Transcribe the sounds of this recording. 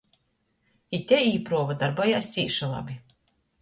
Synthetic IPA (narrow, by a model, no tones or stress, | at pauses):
it̪ʲɛiːpɾuɔvad̪aɾbɔjaːsʲt̪sʲiːʃalˠa̰bʲi